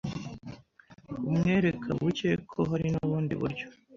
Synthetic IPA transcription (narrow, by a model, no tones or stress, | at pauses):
umŋe̞ːɾe̞kʰaβuce̞kʰoɦaɾinuβuːndḭβṵɾɟo̥